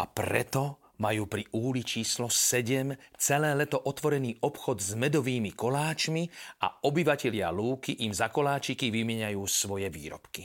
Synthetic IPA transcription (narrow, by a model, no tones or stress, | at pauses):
a̰pɾɛ̰t̪ɔ | majuːpɾiʔuːlit͡ʃiːslɔsɛɟɛmt͡sɛlɛːlɛt̪ɔʔɔt̪ʋɔɾɛniːɔpxɔd̪zmɛd̪ɔʋiːmikɔlaːt͡ʃmia̰ɔbiʋacɛʎɪa̰luːkiʔimzakɔlaːt͡ʃikiʋimɪɛɲajuːsʋɔjɛʋḭːɾɔ̰pki